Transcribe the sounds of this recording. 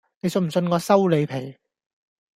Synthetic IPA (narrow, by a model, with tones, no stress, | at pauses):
ne˨˧jsɵ˧nm̩˨˩sɵ˧nkɔː˨˧sɐ˥wle˨˧jpʰe˨˩j